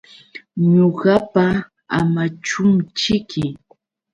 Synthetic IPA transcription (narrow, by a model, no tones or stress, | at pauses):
ɲoɢɑpa | a̰mat͡ʃʊmt͡ʃɪkʰɪ